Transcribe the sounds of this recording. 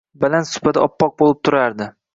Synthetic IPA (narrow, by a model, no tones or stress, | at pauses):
bɪlansʊ̥pat̪ɪɒpːɒq̚bolˠɪp̚t̪ʰʊɾaɾd̪ɪ